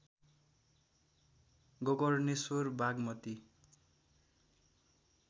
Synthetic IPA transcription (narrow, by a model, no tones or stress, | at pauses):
ɡʌɡʌrnisorbaɡmʌt̪i